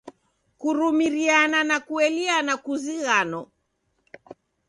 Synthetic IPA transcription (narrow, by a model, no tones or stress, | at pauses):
kuɾumiɾiananakuɛlianakuziɣanɔ